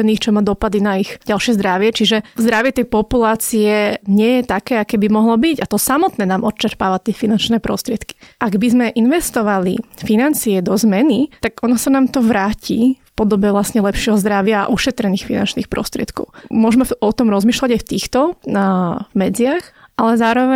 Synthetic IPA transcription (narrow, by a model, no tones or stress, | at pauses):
niːxt͡ʃɔmaːd̪ɔpad̪inaixɟalˠʃɪɛzd̪ɾaʋɪɛt͡ʃiʒɛzd̪ɾaʋɪɛt̪ɛjpɔpulaːt͡siɛɲɪɛjɛt̪akɛːakɛbimɔɦlɔbiɟat̪ɔsamɔt̪nɛːnaːmʔɔt̪̚t͡ʃɛɾpaːʋat̪ɪɛfinant͡ʃnɛːpɾɔ̰st̪ɾɪɛt̪ki̥ʔaɡbizmɛʔinʋɛst̪ɔʋalḭfinant͡siɛd̪ɔzmɛnit̪aɡɔnɔsanaːmt̪ɔʋɾaːcḭfpɔd̪ɔbɛʋlasɲɛlɛpʃɪɛɦɔzd̪ɾaʋɪa̰ːʔuʃɛt̪ɾɛniːxfina̰nt͡ʃniːxpɾɔ̰st̪ɾɪɛ̰t̪kɔ̰ʊmʊɔʒmɛɔt̪ɔmɾɔzmiːʃlaɟajft̪iːxt̪ɔ | vmɛd͡ziaxʔalɛzaːɾɔʋɛ